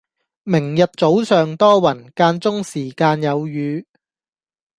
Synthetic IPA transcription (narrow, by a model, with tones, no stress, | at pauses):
mɪ˨˩ŋjɐ˨t̚t͡so˨˥wsœː˨ŋt̪ɔː˥wɐ˨˩nkaː˧nt͡sʊ˥ŋsiː˨˩kaː˧njɐ˨˧wjyː˨˧